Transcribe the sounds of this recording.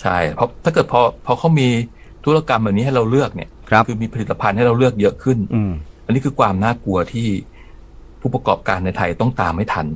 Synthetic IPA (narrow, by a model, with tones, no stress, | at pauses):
t͡ɕʰa̰˥˩jpʰɔ˦˥t̪ʰaː˥˩kɤː˨˩t̪pʰɔː˧pʰɔː˧kʰa˦˥˩wmiː˧ | t̪ʰu˦˥la˧ka˧mbɛ˨˩wni˦˥ɦa˥˩jɾa˧wlɯ˥˩ək̚nḭ˦˥˩ɐ˦kʰɯː˧miː˧pʰa˧li˨˩t̪ːa˧pʰa˧nha˥˩jɾa˧wlɯ˥˩ək̚jɤ˦˥ʔkʰɯ˥˩nʔa˧nːiː˦˥kʰɯː˧kʰwaː˧mnaː˥˩ku˧ɐt̪ʰiː˥˩ | pʰuː˥˩pa˧kɔː˨˩p̚kaː˧nːa˧jt̪ʰa˧jt̪ɔ˥˩ŋt̪aː˧mha˥˩jt̪ʰa˧n